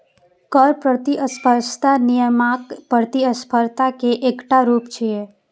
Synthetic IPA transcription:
kəɾpɾət̪iʔəspʰəɾʃt̪anijəmakpəɾt̪iəspʰəɾt̪akeʔekʈaɾupt͡ʃʰie

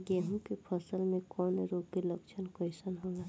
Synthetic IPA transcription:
ɡeɦũkipʰəsəlmẽkɔːneɾoːkilɐkt͡ʃʰənkoisənɦõːɡaː

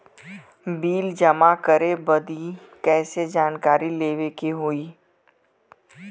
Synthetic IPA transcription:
biːld͡ʒɐmakəɾebɐd̪i | kɛːsed͡ʒaːnkaːɾileːʋekeɦoːiː

